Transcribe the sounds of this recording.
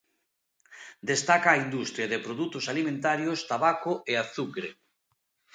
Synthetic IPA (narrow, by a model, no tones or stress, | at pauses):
d̪est̪akaːind̪ust̪ɾjaðepɾoðut̪osalimẽnt̪aɾjost̪aβakoeaθukɾe